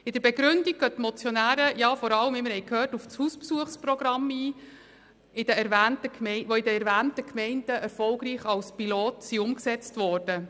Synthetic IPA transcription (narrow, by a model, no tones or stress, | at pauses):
ɪd̥əɾb̥ɛɡɾʏndik̚ɡ̥œtmɔt͡sjɔnæːɾəjɑːfɔɾɑlːəmɪmɪɾhɛjkʰhøːrtuft͡shuːspsuəχsprɔɡɾɑmiː | ɪd̥əɛɾʋæːntəkʰmɛʋoɪdəɛɾvæːntəkʰmɛɪndəʔɛɾfɔlɡɾiːχɑlspiloːtsiʊmksɛt͡stvɔːrd̥ə